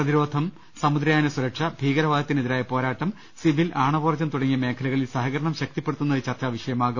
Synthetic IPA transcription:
prɐðiɾo̞ːd̪ʱɐm | sɐmud̪ɾɐjaːnɐsuɾɐkʂɐbʱiːɣɐɾɐʋaːd̪ɐt̪ːiniðiɾaːjɐpo̞ːɾaːʈːɐm | siʋilʔaːɳɐʋoːrt͡ɕːɐmt̪uɽɐŋːijɐme̞ːkʰɐlɐɣɐɭilsɐɦɐɣɐɾɐɳɐmɕɐk̚t̪ipːeɽut̪ːunːɐðit͡ɕɐrt͡ɕaːʋiʂɐjɐmaːɣɐ

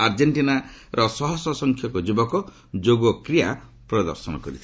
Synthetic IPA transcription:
aɾd͡ʒeɳʈinaɾʔɔsɔɦɔsɔsɔŋkʰjɔkɔd͡ʒubɔkɔ | d͡ʒoɡɔkɾija | pɾɔd̪ɔ̰ɾsɔnɔ̰kɔɾit̪ʰi

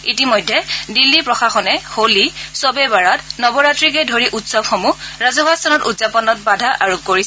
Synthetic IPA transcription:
itimɔjdʱːɛdilːipɹɔxaxɔnɛholisɔbɛbaɹatnɔbɔɹatɹikɛdʱoɹiʔutsɔbxomuɹazɔbastʰɔnɔtutzapɔnɔt̚badʱaʔaɹukoɹisɛ

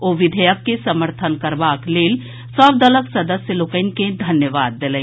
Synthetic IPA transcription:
oʋɪd̪ʱəjəkːesəməɾt̪ʰənkəɾbaːkleːl | səbd̪ələksɐd̪əsjəlokənked̪ʱɐnjəʋaːd̪ːelɛ̃

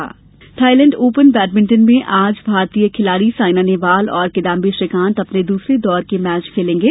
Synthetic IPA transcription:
a̰ː | ʈʰaːɪlɛ̃ɳɖoːpənbɛːʈmɪ̃ɳʈənmẽʔaːd͡ʒbʱaːɾt̪ijekʰɪlaːɾisaːɪnaːneʋaːlɔːɾkɪd̪aːmbiʃɪkãːnt̪ɐpned̪uːsɾed̪ɔːɾkemɛːt͡ʃkʰeːlẽːŋɡeː

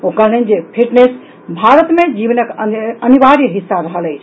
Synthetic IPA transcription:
okəllənd͡ʒepʰiʈnes | bʱaɾət̪med͡ʒiβnəkəəniʋaɾjəɦisːaɾəɦələjt͡ʃʰ

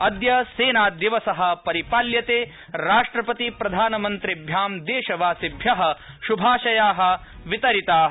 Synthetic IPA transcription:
ɐd̪jɐseːnaːd̪iʋɐsɐɦɐ̆pɐɾipaːljɐt̪eː | ɾaːʂʈɾɐpɐt̪ipɾɐd̪ʱaːnɐmɐnt̪ɾibʱjaːmd̪eːʃɐʋaːsibʱjɐɦɐ̆ | ʃubʱaːʃɐjaːɦɐ̆ | ʋit̪ɐɾit̪aː

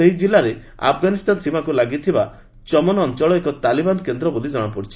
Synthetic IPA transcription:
eɦid͡ʒilaɾe | a̰pʰɡanist̪ansimakulaɡit̪ʰiba | t͡ʃɔmɔnɔːnt͡ʃɔɭɔekɔt̪alibanɔkend̪ɾɔbolid͡ʒɔɽ̃ɔpɔɽit͡ʃʰi̥

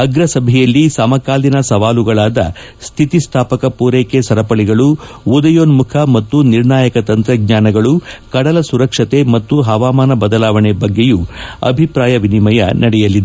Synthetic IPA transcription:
ɐɡɾɐsɐbʱɛjɐlːisɐmɐkaːlinɐsɐʋaːluɡɐɭaːd̪ɐ̰ | st̪ʰit̪ist̪ʰaːpɐkɐpuːɾeːkesɐɾɐpɐɭiɡɐɭuud̪ɐjoːnmukʰɐmɐt̪ːuniɾnaːjɐkɐt̪ɐnt̪ɾɐɡɲaːnɐɡɐɭukɐɽɐlɐsuɾɐkʂɐt̪emɐt̪ːuɦɐʋaːmaːnɐbɐd̪ɐlaːʋɐɳebɐɡːejuɐ̰bʱipɾaːjɐʋinimɐjɐ̰nɐɽɛjɐlːid̪e

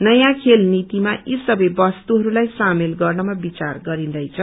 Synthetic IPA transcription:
nʌjãkʰelnit̪imaisʌbʌjbʌst̪uɦʌɾulajsamelɡʌrnʌmabit͡sarɡʌɾind̪ʌjt͡sʰʌ

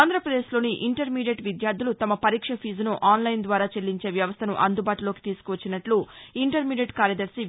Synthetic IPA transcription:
aːnd̪ʱɾɐpɾɐd̪e̞ːʃlo̞ːniʔiɳʈɐɾmiːɖjeʈʋid̪jaːɾd̪ʱulut̪ɐmɐpɐɾiːkʂɐpʰiːzunuʔaːnlɐjnd̪ʋaːɾaːt͡ʃeɭːiɲt͡ʃeːʋjɐʋɐst̪ʰɐnuʔɐnd̪ubaːʈulo̞ːki̥t̪iːsu̥kuʋɐt͡ʃːinɐʈluiɳʈɐɾmiːɖeʈkaːɾjɐd̪ɐɾsi

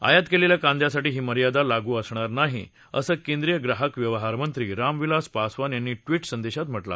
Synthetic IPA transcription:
a̰jat̪keleljakãnd̪ʱjasaʈiːɦiːməɾjad̪alaɡuːəsɳ̃aɾnaɦḭ | ə̰səːkẽnd̪ɾijəɡɾaɦəkʋjəʋɦaɾmənt̪ɾiːɾamʋilaspasʋanjanːiːʈʋiːʈsənd̪eɕat̪m̤əʈla̰

